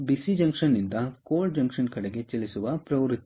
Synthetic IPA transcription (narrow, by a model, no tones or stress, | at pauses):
bisid͡ʒɐŋkʂɐnːind̪ɐkoːɭɖd͡ʒɐŋkʂɐnkɐɽeɡe̞t͡ʃɐlisuʋɐpɾɐʋɾut̪ː